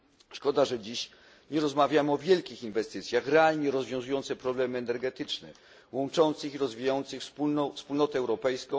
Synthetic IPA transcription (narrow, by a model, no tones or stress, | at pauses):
ʂkɔd̪aʐɛd͡ʑiɕ | ɲɛɾɔzmavʲjamɘɔvʲjɛlkʲixinvɛst̪ɘt̪sʲjaxɾɛalɲɛɾɔzvʲjɔ̃w̃zujɔnt̪sɛpɾɔblɛmɘɛnɛɾɡɛt̪ɘt͡ʂnɛ | wɔnt͡ʂɔnt̪sɘxiɾɔzvʲijajɔnt̪sɘxfspunfspulnɔt̪ɛːwɾɔpɛjskɔ̃